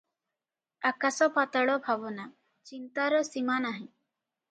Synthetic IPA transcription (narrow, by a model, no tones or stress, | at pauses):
akasɔpat̪aɭɔbʱabɔna | t͡ʃint̪aɾɔsimanaɦĩ